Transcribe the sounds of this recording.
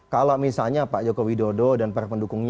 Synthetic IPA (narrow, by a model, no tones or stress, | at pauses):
kalamisalɲapaʔd͡ʒokowidodɔdanpaɾapəndukʊŋɲ